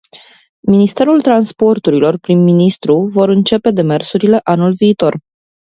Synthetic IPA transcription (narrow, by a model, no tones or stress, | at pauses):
minist̪e̞ɾult̪ɾanspo̞rt̪uɾilo̞rpɾimːinist̪ɾuvo̞ɾɨnt͡ʃe̞pe̞d̪e̞me̞rsuɾile̞ʔanulviːt̪o̞r